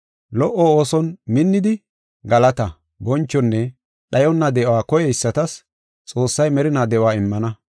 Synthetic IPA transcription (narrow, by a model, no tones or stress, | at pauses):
lɔʔɔoːsɔnmɪnːɪd̪ɪ | ɡɐlɐt̪ɐ | bɔnt͡ʃːɔnːɛ | ɗɐjɔnːɐd̪ɛwaːkɔjɛɪsːɐt̪ɐs | t͡sʼo̞ːsːɐjmɛɾɪnaːd̪ɛʔwaːɪmːɐnɐ